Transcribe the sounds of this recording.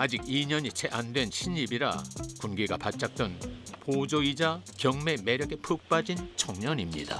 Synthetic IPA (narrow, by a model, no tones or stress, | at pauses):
ad͡ʑik̚iɲʌɲit͡ɕʰeʔandwe̞nɕʰiɲibiɾa̰kunɡeɡapat̚t͡ɕ͈ak̚t͈wenpod͡ʑoid͡ʑakjʌŋme̞me̞ɾjʌɡe̞pʰɯk̚p͈ad͡ʑint͡ɕʰʌŋɲʌɲimɲḭd̥a̰